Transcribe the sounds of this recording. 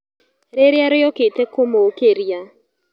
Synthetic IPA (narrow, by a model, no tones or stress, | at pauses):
ɾeɾjaɾejɔketekomookeɾja